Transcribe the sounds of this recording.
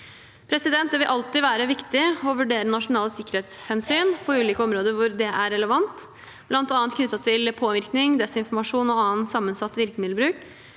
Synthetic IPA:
pʰɾɛsɪd̪ɛnt̪̚d̪ɛʋɪlʔɑlt̪ɪʋæːɾəʋɪkt̪ɪɔʋʉɖeːɾənɑʂʊnɑːləsɪkːəɾhɛːt̪shɛnsyːnpʰɔʉːliːkəɔmɾoːd̪əʋʊɾd̪ɛʔæɾɛləʋɑnt̪ | b̥lɑnt̪ːɑːnt̪kʰnʏt̪ːɑt̪ʰɪlpʰoːʋɪɾknɪŋd̪ɛsɪnfɔɾmɑʂuːnɔɑːənt̪sɑmːənsɑt̪ːʋɪlkəmɪd̪lbɾʉːk

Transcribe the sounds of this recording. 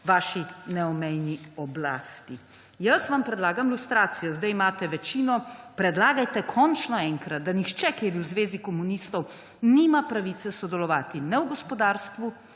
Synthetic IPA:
ʋaːʃinɛɔmɛjniɔbla̰ːst̪i | jɐsʋampɾɛd̪laːɡamlust̪ɾaːt̪sijɔzd̪ajimaːt̪ɛʋɛt͡ʃiːnɔpɾɛd̪laːɡajt̪ɛkʰɔnt͡ʃnɔɛŋkɾat̪̚d̪anixt͡ʃɛkeːɾiwzʋeːzikɔmunist̪ɔw | niːmapɾaʋiːt̪sɛsɔd̪ɛlɔʋaːt̪inɛwɡɔspɔd̪aːɾst̪ʋu

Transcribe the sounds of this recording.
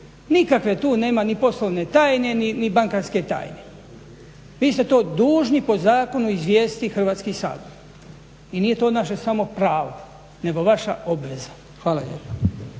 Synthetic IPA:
nikakʋe̞t̪uːne̞ːmanipo̞slˠoʋne̞t̪aːjne̞ninibaŋkanske̞t̪a̰ːjne̞ | ʋiːst̪et̪o̞ːd̪uːʒnipo̞zaːko̞nuizʋjeːst̪ixr̩ʋaːt̪skisa̰ːd̪oɾ | inije̞t̪o̞ːnaʃesamo̞pɾaːʋo | ne̞ɡo̞ʋaʃa̰o̞bʋe̞za | xʋaːlaʎjḛpa

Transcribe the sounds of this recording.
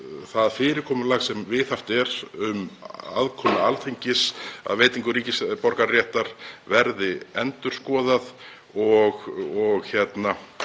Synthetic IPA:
θaðfɪːɾɪɾkʰɔːmʏlaːɣsɛmvɪθaft̪ɛɾʏma̰ðkʰɔːmʏalt̪ʰejɲcɪsa̰ðveːjt̪iŋkʏɾiːcɪspɔɾkarjɛːht̪aɾ̥vɛɾðɪɛnt̪ʏɾ̥skɔːðað | ɔɣɔɣçɛt̪na

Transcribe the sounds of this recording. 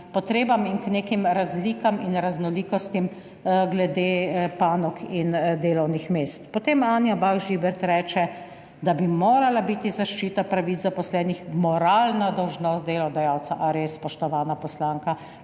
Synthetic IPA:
pɔt̪ɾeːbamiŋkneːkimɾazliːkaminɾaznɔliːkɔst̪im | ɡlɛd̪eːpaːnɔkʰind̪eːlɔwnixmeːst̪pɔt̪eːmaːnjabawʒibɛɾt̪ɾɛːt͡ʃɛ | d̪abimoːɾalabit̪izaʃt͡ʃit̪apɾaʋit͡s̪zapɔslɛːnixmɔɾalnad̪ɔwʒnɔst̪d̪eːlɔd̪ajaːwt̪saʔaɾespɔʃt̪ɔʋaːnapɔslaːŋka

